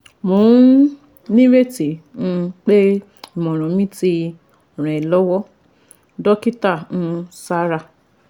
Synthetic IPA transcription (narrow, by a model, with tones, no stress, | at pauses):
mõ˨˦ | nĩ˦ɾe˦˨ti˨ñ̩˧k͡pe˦ | i˦˨mɔ̃˨ɾ̃ɔ̃˨mĩ˦ti˧˨ | ɾ̃ɔ̃˨ɛ˨lɔ˨˦wɔ˦ | dɔ˦ki˦ta˦˨ñ̩˧sa˦ɾa˧˨